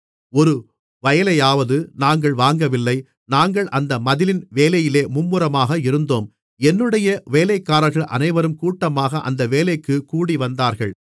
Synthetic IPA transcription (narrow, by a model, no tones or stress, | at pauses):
ɔɾɯ | ʋɐjɐlɐjaːʋɐðɯnaːŋɡɐɭʋaːŋɡɐʋɪlːɐɪ | naːŋɡɐɭʔɐnd̪ɐmɐðɪlɪnʋeːlɐjɪleːmʊmːɯɾɐmaːɣɐɪɾɯnd̪oːm | ɛnːɯɽɐjɐʋeːlɐɪkːaːɾɐɾɣɐɭʔɐ̰nɐɪʋɐɾɯmkuːʈːɐmaːɣɐʔɐ̰nd̪ɐʋeːlɐɪkːɯkuːɽiʋɐnd̪aːɾɣɐɭ